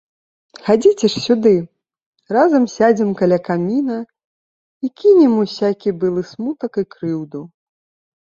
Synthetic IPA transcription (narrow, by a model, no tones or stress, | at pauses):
xad͡zʲit͡sʲɛʂsʲud̪ɨ | razɐmsʲad͡zʲimkalʲakamʲinɐ | ikʲinʲimusʲakʲibɨlˠɨsmut̪ɐkikɾɨwd̪u